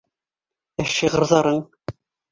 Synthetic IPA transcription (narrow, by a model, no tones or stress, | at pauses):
æʃiʁɤ̆ɾðɑɾɤɴ